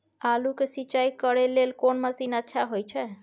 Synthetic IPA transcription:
alukesit͡ʃajkəɾelelkoɳməsinətːʃʰaɦojt͡ʃʰɛ

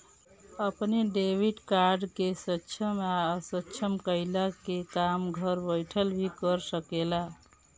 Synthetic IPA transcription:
əpneɖebʱiʈkaɾɖkesətːt͡ʃʰəmaəsətːt͡ʃʰəmkəɪlakekamɡʱəɾbəjʈʰəlbʱikəɾsəkela

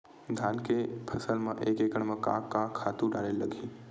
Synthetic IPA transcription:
ɡ̪ʱankepʰəsəlmã̰ʔekekəɳmãkã̰kːãkʰːat̪ũɖaɽelːəɡʱĩ

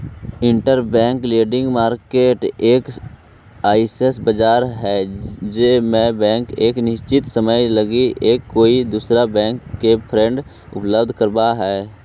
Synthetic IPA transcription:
ɪ̃ɳʈəɾbɛ̃ːŋkleːɖɪ̃ŋɡmaːɾkeːʈeːk | aːisesbəd͡ʒaːɾɦɛd͡ʒeːmẽbɛ̃ːŋkeːknɪʃt͡ʃɪt̪səməjləɡiʔeːkːoːid̪uːsɾabɛ̃ːŋkːepʰɾɛ̃ɳɖ | ʊ̰pləbd̪ʱkəɾbaɦɛː

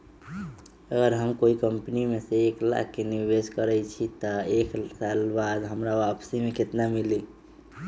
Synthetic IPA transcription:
əɡəɾɦəmkoikəmpnimeseekla̰k̚keniɾbeskəɾɛt͡ʃʰit̪əeksalbad̪ɦəmɾaʋapsimeket̪namili

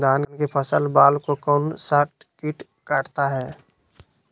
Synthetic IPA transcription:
d̪aːnnkepʰəsəlbaːlkokɔnsaːʈ̚ | kiʈ | kaːʈʰt̪aɦɛː

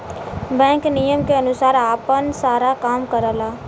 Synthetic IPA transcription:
bɛ̃ːŋknijəmkeɐnʊsaːɾaːpənsaːɾakaːmkəɾəlaː

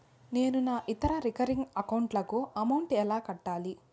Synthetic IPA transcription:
ne̞ːnunaːʔit̪ɐɾɐɾikɐɾiŋɡɐkɐwɳʈlɐkuɐmɐwɳʈɛlaːkɐʈːaːli

